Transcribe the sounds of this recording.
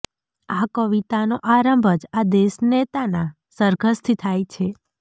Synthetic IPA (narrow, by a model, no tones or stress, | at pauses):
akəʋit̪anoʔaɾəmbʱəd͡ʒad̪eʃnet̪ana | səɾɡʱəst̪ʰit̪ʰajt͡ʃʰe